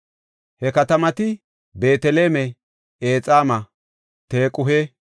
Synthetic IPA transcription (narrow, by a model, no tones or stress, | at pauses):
hɛkɐt̪ɐmɐt̪ɪ | be̞ːt̪ɛle̞ːmɛ | eːt͡sʼaːmɐ | t̪e̞ːkʼʊɦeː